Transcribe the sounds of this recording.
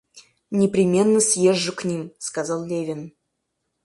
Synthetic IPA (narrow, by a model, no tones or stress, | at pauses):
nʲɪpɾʲɪmʲe̞nːəsʲjeʐːɨknʲimskazɑlˠlʲevʲɪn